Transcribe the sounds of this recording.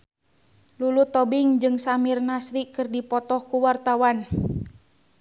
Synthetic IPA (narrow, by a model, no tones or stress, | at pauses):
lulut̪ɔbiŋd͡ʒɨŋsamirnasɾikɨrdipɔt̪ɔhkuwart̪awan